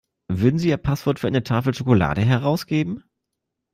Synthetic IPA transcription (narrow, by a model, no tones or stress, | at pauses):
vʏɐdn̩ziːiːɐpʰasv̥ɔɐtfyːɐaɪnətʰaːfl̩ʃokola̰ːdəɦɛʁaʊsɡ̥eːbm̩